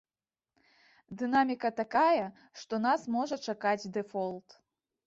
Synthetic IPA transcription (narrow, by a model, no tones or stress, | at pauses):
d̪ɨnamʲikɐt̪akajɐ | ʂt̪ɔnasmɔʐɐt͡ʂakad͡zʲd̪ɛfɔlˠt̪